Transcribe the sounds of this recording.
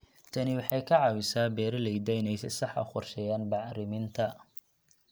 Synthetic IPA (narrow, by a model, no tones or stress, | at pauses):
t̪ʰɐnɪwɑħɑjkʰɐʕɑwɪsaːbɛːɾɐlɛjd̪ɛjnɛjsɛ̰sɑħɐ̰χɔrʃɛjaːnbɑʕɾɪmɪnt̪ʰɐ